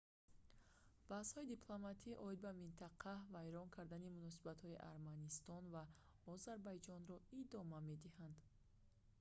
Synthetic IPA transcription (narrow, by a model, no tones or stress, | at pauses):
b̥ashɔid̪ipʰlˠomat̪ʰiʔɔid̪̚bamint̪ʰaqʰavajɾɔŋkʰaɾd̪animunɔsibat̪hɔiʔa̰ɾmanist̪ɔnva | ɔzaɾbajd͡ʒɔnɾɔid̪ɔmame̞d̪ihand̪